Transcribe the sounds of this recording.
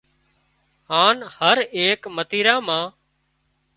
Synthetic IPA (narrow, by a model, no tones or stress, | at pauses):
ɦãːnhəɾeːkmət̪iːɾãːmãː